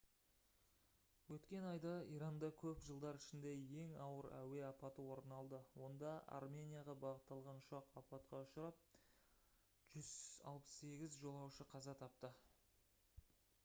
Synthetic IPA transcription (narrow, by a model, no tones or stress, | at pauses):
wɵt̪kʲe̞nɑjd̪ɑijɾɑnd̪ɑkʲʰɵpʒəlˠd̪ɑɾɪʃɪnd̪e̞je̞ŋɑwəɾæ̰we̞ɑpɑt̪əwo̞ɾnɑlˠd̪əwo̞nd̪ɑɑ̰rmʲe̞nijaʁɑbɑʁət̪ːɑlˠʁɑnʃɑqɑpɑt̪̚qɑʊʃəɾɑp̚ | ʒ̥ʏzɑ̰lˠpə̥sːe̞ɡʲɪzʒo̞lˠɑwʃəqʰɑzɑt̪ʰɑpt̪ə